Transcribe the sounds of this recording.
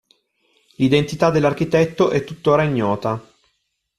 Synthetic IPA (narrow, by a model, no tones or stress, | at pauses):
lid̪ent̪it̪ad̪ːelːark̟it̪ɛt̪ːoʔɛt̪ːut̪ːoːɾaiɲːɔːt̪a